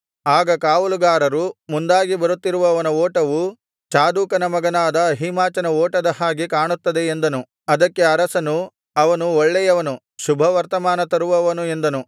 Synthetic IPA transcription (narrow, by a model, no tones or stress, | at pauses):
aːɡɐkaːʋuluɡaːɾɐɾumund̪aːɡibɐɾut̪ːiɾuʋɐːʋɐnɐɔːʈɐʋu | t͡ʃaːd̪uːkɐnɐmɐɡɐnaːd̪ɐːɦimaːt͡ʃɐnɐɔːʈɐd̪ɐhaːɡikaːɳut̪ːɐd̪eend̪ɐnu | ɐd̪ɐkːe̞ɐɾɐsɐnu | ɐʋɐnuɔɭːɛjɐʋɐnu | ʃubʱɐʋɐɾt̪ɐmaːnɐt̪ɐɾuʋɐʋɐnue̞nd̪ɐnu